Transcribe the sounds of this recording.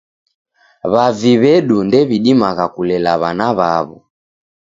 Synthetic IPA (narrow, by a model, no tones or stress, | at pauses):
βaviβɛɗundɛβiɗimaɣakulɛlaβanaβaβɔ̰